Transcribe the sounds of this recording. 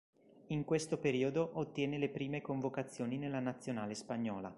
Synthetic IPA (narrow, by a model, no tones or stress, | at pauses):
iŋkwest̪opeɾiːod̪oʔot̪ːjɛːnelepɾiːmekoɱvokat̪sːjoːninelːanat̪sːjonaːlespaɲːɔːla̰